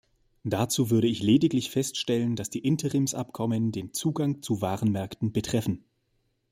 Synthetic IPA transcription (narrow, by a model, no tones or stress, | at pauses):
d̥at͡suːvʏɐɾəɪçleːdɪklɪçfɛstʃtɛlənd̥asd̥iːʔɪntʰəʁɪmsʔa̰pkʰɔməndeːnt͡suːɡaŋt͡suvaːʁənmɛɐktn̩bətʁ̥ɛfn̩